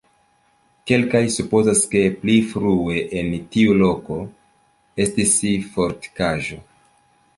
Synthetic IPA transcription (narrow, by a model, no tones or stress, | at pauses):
ke̞lkajsupo̞zaske̞plifɾue̞ʔentiulo̞ko̞ | e̞stisifo̞ɾti̥kaʒo̞̰